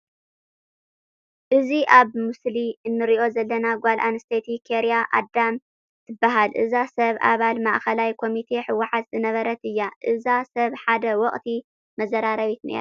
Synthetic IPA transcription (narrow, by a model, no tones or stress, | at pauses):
ʔɨziʔaβmɨsliɨnːɨɾiʔo̞zɐlːɐnaɡʷalʔanɨst̪ʰet̪ʰikʰeɾijaʔa̰d̪ːam | t̪ʰɨbːaɦalʔɨ̰zasɐβʔa̰βalmaʔxɐlajkʰo̞mit̪ʰe̞ħɨwːaħat̪zɨnɐβɐɾɐt̪ɨjːaʔɨzasɐβħad̪ɐwɔχʼt̪ʰi | mɐzɐɾaɾɐβit̪nḛɾ